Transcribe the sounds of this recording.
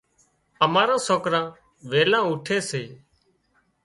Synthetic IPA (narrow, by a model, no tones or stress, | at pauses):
əmaːɾãːsoːkɾãː | ʋeːlãːuːʈʰeːseː